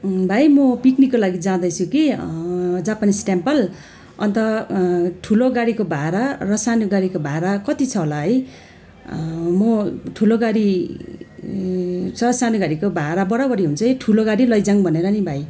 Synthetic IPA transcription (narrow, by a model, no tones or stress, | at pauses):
bʱajmʌpiknikːolaɡid͡zãd̪ʌjt͡sʰuki | d͡zapanisʈampʌl | ʌ̰nt̪ʌ | ʈʰuloɡaɽikobʱaɾarʌsanuɡaɽikobʱaɾakʌt̪it͡sʰʌɦolaɦʌj | mʌʈʰuloɡaɽi | t͡sʰʌsanuɡaɽikobʱaɾabʌɽabʌɾiɦunt͡sʰʌiʈʰuloɡaɽilʌjd͡zaŋbʱʌneɾʌnibʱaj